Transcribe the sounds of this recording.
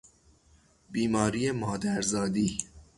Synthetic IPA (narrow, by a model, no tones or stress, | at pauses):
biːmɒːɾiːjemɒːd̪æɾzɒːd̪iː